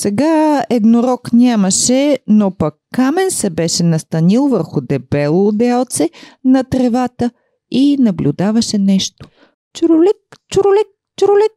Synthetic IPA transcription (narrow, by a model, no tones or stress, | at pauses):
sɛɡaɛd̪noɾɔknʲamɐʃɛnopɐkːamɛnsɛbɛʃɛnɐst̪ɐnilˠvəɾxʊd̪ɛbɛlˠʊd̪ɛlˠt̪sɛnɐt̪ɾɛvat̪ə | inɐblʲud̪avɐʃɛnɛʃt̪o̥ | t͡ʃʊɾʊlɛk̚t͡ʃʊɾʊlɛk̚ | t͡ʃʊɾʊlɛk̚